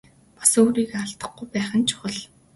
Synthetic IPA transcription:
pasoːɾiːɣeaɬt̪ə̆χɡujpæːχə̆nt͡ɕʰʊ̥χə̆ɮ

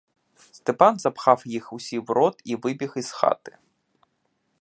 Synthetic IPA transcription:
st̪ɛpɑnzɐpxɑwjixusʲiwɾɔt̪iʋɪbʲixizxɑ̰t̪ɪ̥

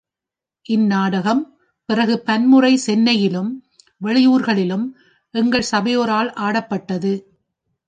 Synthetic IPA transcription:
ʔɪnːaːɽɐɣɐm | pɪrɐɣɯpɐnmɯrɐɪsɛnːɐjɪlɯm | ʋɛɭɪjuːɾɣɐɭɪlɯm | ʔɛŋɡɐɭsɐbɐjoːɾaːlʔaːɽɐpːɐʈːɐðɯ

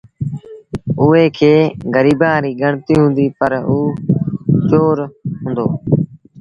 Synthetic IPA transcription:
ʊːeːkʰeːɡəɾiːbãːɾiːɡəɳt̪iːɦʊ̃nd̪iːpəɾuː | t͡ʃoːɾɦʊ̃ːnd̪oː

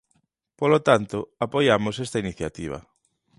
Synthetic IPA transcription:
polot̪ant̪ʊapojamosest̪ainiθjat̪iβ̞ɐ̰

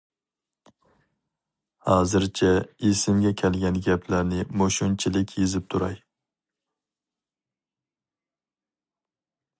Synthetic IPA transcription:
hɑːzɪɾt͡ʃʰɛisɪmɡʲɛkʲʰælˠɡʲɛnɡʲæpʰlæɾnɪmoʃʊnt͡ʃʰɪlɪkʲʰjezɪp̚t̪ʰʊɾɑ̰j

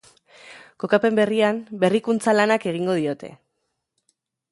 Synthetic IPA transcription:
ko̞kape̞mbe̞riambe̞rikunt͡salanake̞ɣ̞iŋɡo̞ð̞io̞t̪e̞̰

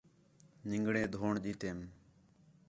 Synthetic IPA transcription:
nɪŋɡɽẽːd̪ʱoːɳɗiːt̪eːm

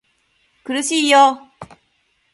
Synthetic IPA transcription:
kɯɾɯɕʰiːjo

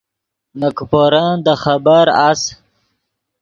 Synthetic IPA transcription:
nəkpoɾad̪əχabaɾas

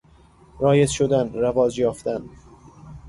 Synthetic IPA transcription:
ɾɒːjezʃod̪ænɾævɒːd͡ʒjɒːft̪æn

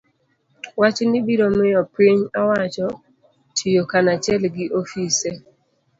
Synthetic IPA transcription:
wat͡ʃnɪbiɾomɪjɔpeɲɔwat͡ʃɔ | tijokanat͡ʃɛlɡɪʔofise

